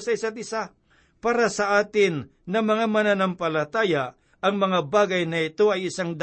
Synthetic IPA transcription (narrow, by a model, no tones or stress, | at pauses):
sɐɪsat̪̚ɪsa | paːɾasɐʔaːt̪ɪnː | ɐmɐŋamɐnanampɐlɐt̪aːja | ɐŋmɐŋabaːɡɐjnɐɪt̪o̞ɐjɪsaŋd̪